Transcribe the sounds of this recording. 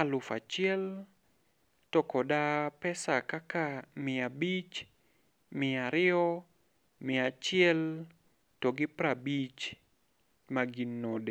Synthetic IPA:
alʊfa̰t͡ʃɪɛl | tɔkɔdapɛsakakamɪabit͡ʃ | mɪaɾɪɔ | mɪat͡ʃɪɛl | toɡɪpɾabit͡ʃ | maɡinːode

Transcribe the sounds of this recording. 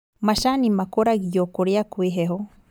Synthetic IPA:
maʃanimakɔɾaɡiɟɔkɔɾiakwiɦɛɦɔ

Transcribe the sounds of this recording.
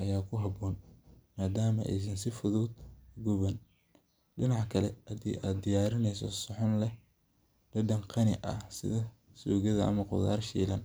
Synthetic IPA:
ʔɐjaːkʰʊɦɐbɔːnmaːd̪aːmɐ̰ʔɛ̰js̬ɪnsɪfʊðuːd̪ɡʊβɐn | ɖɪnɑʕkʰɐlɛɐdḭʔaːd̪ɪjaːɾɪnɛjsɔ̰sɔħʊnlɛ | lɐdɐŋqʰɑnɪʔɐsɪ̰ðɐsuːɣɐðɐʔɐ̰mɐqʊ̰ða̰ːrʃḭːlɐn

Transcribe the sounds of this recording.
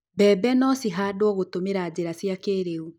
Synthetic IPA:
bɛbɛnɔsiɦaːdwɔɣotomeɾaːd͡ʑeɾasjakeːɾeu

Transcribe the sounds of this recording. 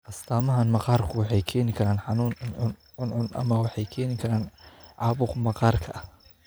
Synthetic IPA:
ʔɐst̪ʰaːmɐɦanmɐqɑːrkʰʊwɑħɑjkʰɛːnɪkʰɐɾaːnħɑnuːnʊnʊnʕʊnʕʊnʔɐ̰mɐwɑħɑjkʰɛːnɪkʰɐɾaːnʕɑːbʊqmɐqɑːrkʰɐʔɐh

